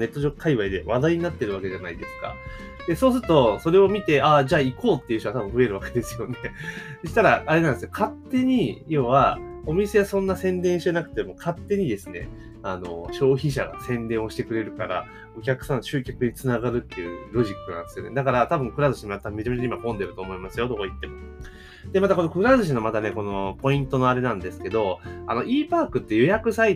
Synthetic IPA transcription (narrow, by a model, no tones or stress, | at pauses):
ne̞t̪ːoʑo̞kkʰaiβaid̪e̞βad̪aiɲ̟inat̪ːeɾɯ̟βake̞ʑanaid̪e̞sɨ̥ka̰ | d̪̥e̞soːsɨɾɯ̟t̪o̞so̞ɾe̞o̞mʲit̪e̞ʔad͡ʑaːiko̞ːt̪ːe̞iɯɕt̪oat̪abɯ̟̃ɸɯ̟e̞ɾɯβake̞d̪e̞sɨjo̞ne̞d̪ɕi̥t̪aɾaːɾe̞nand̪sjokʰat̪ːe̞ɲ̟ijoβao̞mʲise̞ɡasõ̞nːasẽ̞nd̪ẽɰ̃ɕanakɯ̟̥t̪e̞mo̞kʰat̪ːe̞ɲ̟id̪e̞sɨne̞̰ | ano̞̰ɕo̞ːçiɕaɡa̰sẽ̞nd̪ẽɰ̃oɕi̥t̪e̞kɯ̟ɾe̞ɾɯ̟kaɾa̰ | o̞kʲakɯ̟̥sãnːoɕɨːkʲakɯ̟ɲ̟it͡sɨnaɡaɾɯ̟t̪ːe̞jɯ̰ɾo̞ʑikːɯ̟nã̰nd̪esɨjo̞ne̞̰d̪akaɾat̪abɯ̟̃ŋkɯ̟ɾazɨɕimimat̪t̪ame̞t͡ɕame̞t͡ɕaimakõ̞nd̪e̞ɾɯ̟t̪oːmo̞imasɨjo̞t̪okait̪ːe̞mo | d̪̥e̞mat̪ako̞nokɯ̟ɾazɨɕ̬inomat̪aneko̞no̞po̞ĩnt̪o̞no̞aɾe̞nãnd̪e̞sɨ̥ke̞d̪o̞a̰no̞ʔiːpaːkɯ̟t̪ːe̞jo̞jakɯ̟sai